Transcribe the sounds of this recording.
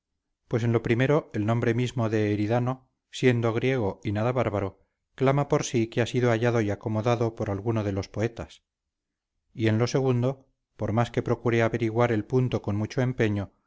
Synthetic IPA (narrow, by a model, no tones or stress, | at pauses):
pwe̞s̬e̞nlo̞pɾime̞ɾo̞e̞lnombɾe̞mizmo̞ðe̞ːɾiðano̞ | sje̞nd̪oɣ̞ɾje̞ɣ̞o̞inaðaβaɾβaɾo̞ | klamapo̞ɾsikeasiðoaʎaðo̞iako̞mo̞ðaðo̞po̞ɾalɣuno̞ð̞e̞lo̞spo̞e̞t̪as | ie̞nlo̞se̞ɣ̞und̪o̞ | po̞ɾmaske̞pɾo̞kuɾeaβe̞ɾiɣwaɾe̞lpunt̪o̞ko̞nmut͡ʃo̞e̞mpe̞ɲo̞